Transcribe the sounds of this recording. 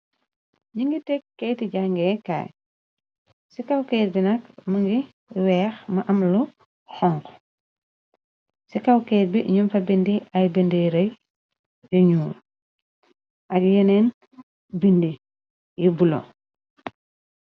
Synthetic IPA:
ɲiŋɡitɛkːɛjtiɟaŋɡɛːka̰ːj | sikɐwkɛt̚binɐkmɐŋɡi | wɛːxmɐʔɐmlu | xɔŋk | sikɐwkɛːt̚biɲumfɐbindiɐjbindiɾɐj | juɲuː | ʔɐkjɛnɛːn | bindi | jibulo̰

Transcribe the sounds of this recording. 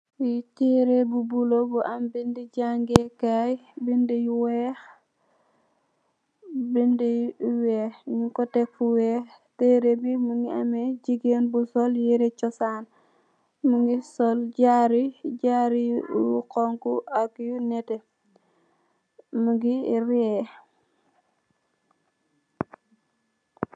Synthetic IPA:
jiteɾebubulobuʔambindiɟaŋɡekajbindijwɛx | bindijwɛːxɲukɔtɛkfuwɛ | teɾebimuŋɡiamed͡ʒiɡenbusɔljiɾet͡ʃɔsan | muŋɡisɔlɟaɾiɟaɾiukɔŋkuakjunɛtɛ | muɡiɾiɛ

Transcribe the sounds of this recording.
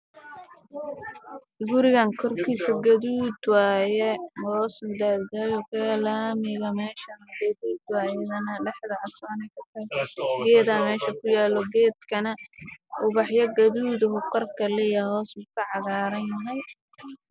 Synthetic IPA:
ɡʊɾɪɣaːŋkʰɔrkʰiːsɐɡɐðuːd̪waːjɛhɔːsmʊd̪aːd̪ɡɐjɔkʰɐlaːmɪɣɐmɛːʃɐnɐɡɐðuːd̪waːjɐðɐnɐlɛħðɐʔɐsaːnɛkʰɐt̪ʰɐɡɛːðaːmɛːʃɐkʰʊjaːlɔɡɛːd̪kʰɐnɐʔʊβɑħjɐɡɐðuːd̪ɐɦʊqɐrkʰɐlɛjaɦɔːsmʊkʰɐʕɑðaːɾɐjɐɦɐj

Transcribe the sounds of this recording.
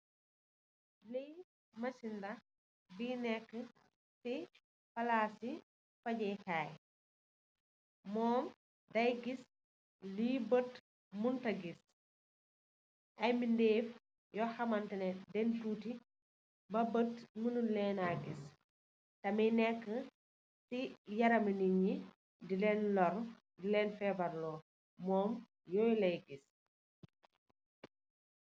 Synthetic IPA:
li | mɐsindɐx | binɛkːə | si | fɐlasi | fɐɟɛhaːj | mɔːm | dɐjɡis | liːbət | muntɐɡis | ʔɐjmindeːf | jɔxɐmɐntɛnɛdɛntuːti | bɐbətmunulɛːnaɡis | tɐmijnɛkːə | sijɐɾɐməniɲi | dilɛːnlɔr | dilɛːnfɛːbɐɾlɔː | mɔːm | jɔjlɐjɡis

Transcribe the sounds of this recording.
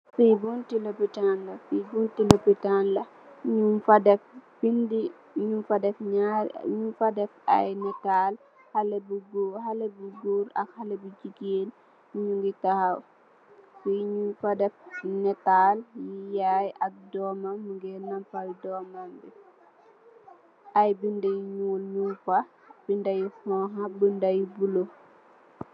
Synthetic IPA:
fijbuntilopitanlɐfijbuntilopitanlɐ | ɲuadɛfpindi | ɲumfɐdɛfɲaɾɲufadɛfa̰jnɛtal | hɐlɛbuɡuhalɛbuɡuːɾɐ̰khalɐbid͡ʒiɡeːn | muɲuŋɡitahɐw | kujiɲufɐdɛfnɛtaljijajɐk̚dɔːmɐməŋɡɛnɐmpɐjdɔmambi | ɐjbindɐjɲuːlɲufɐ | b̥indɐjihɔːɦɐbəndɐjbulo

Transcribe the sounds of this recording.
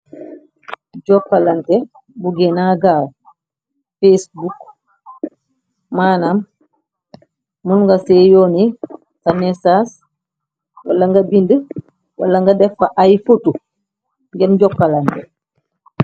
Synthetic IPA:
ɟɔkːalantɛ | buɡɛnaɡaːl | fesbuk | maːnam | munŋɡasɛːjɔːni | tanɛsaːs | walːaŋɡɐbində | walːaŋɡɐdɛfaʔajfutu | ŋɡɛnɟɔkːalantɛ

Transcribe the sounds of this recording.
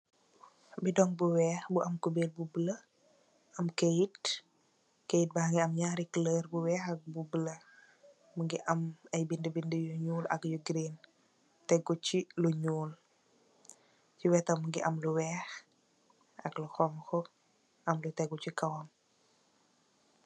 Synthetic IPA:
bidɔŋbuwɛːxbuʔɐmkubel̚bubələ | ɐmkejit̚ | kejit̚baŋiɐmɲaːɾikələrbuwɛːxɐk̚bubələ | muŋɡiʔɐmɐjbindəbindəjuɲuːlɐ̰kjuɡɾen | tɛɡuciluɲuːl | t͡ʃiwɛtɐmuŋɡiʔɐmluwɛːx | ɐkluxɔmxɔ | ɐmlutɛɡut͡ʃikɐwɐm

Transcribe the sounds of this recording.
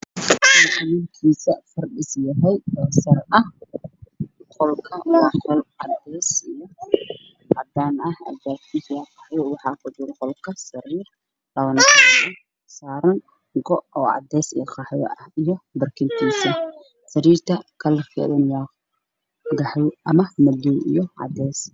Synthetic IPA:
wħanɪnkʰiːsɐfɐrɖɪsjɐɦɛjhɛsɐrɐh | qɔlkʰɐwɑqɔlʕɑd̪ɛːsijɔ | ɑd̪aːnɐhɐ̰dbaːkk̪ʰiːswɐqɑħjɔwɑħɑkʰʊd̪ʊlqɔlkʰɐsɐɾiːr | lɐwɐnsɐ | saːɾɐn | ɡɔʔʔɔːʕɑ̰d̪ɛːsḭjɐqɑħjɔ̰ʔɐhijɞbɐrkʰɪnt̪ʰiːsɐ | sɐɾiːrt̪ʰɐkʰɐlkɛ̰ðɐnjaː | ɡɑħjʔɐmɐmɐd̪ɔwʔḭjɞʕɑ̰d̪ɛːs

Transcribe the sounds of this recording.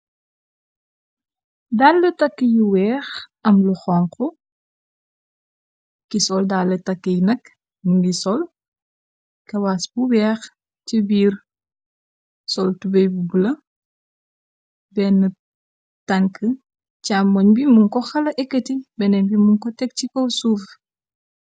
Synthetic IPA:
daːlːɐtɐkːəjiwɛːxɐmluxɔːŋkɔ | kisɔldalːɐtɐkːəjinɐk | muŋɡisɔl | kɐwaːsbuwɛːx | t͡ʃibiːr | sɔltubɛjbubulɐ | bɛnːə | tɐŋkə | caːmːoɲbimuŋkɔxɐlɐʔɛkːɐtibɛnɛnbimuŋkɔtɛk̚t͡ʃikowsuːf

